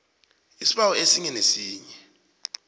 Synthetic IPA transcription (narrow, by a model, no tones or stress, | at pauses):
isiɓawɔesiŋɛnesiːɲɛ